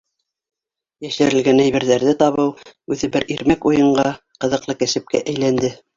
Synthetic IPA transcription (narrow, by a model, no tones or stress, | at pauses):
jæʃɘ̆ɾɘ̆lɡænæjβɘ̆ɾðæɾðɘt̪ɑβɤwʉðɘbɘɾiɾmækujɤ̆ɴɢɑ | qɤ̆ðɤ̆qlˠɤkæsɘ̆p̚kæ̰ʔæjlænd̪ɘ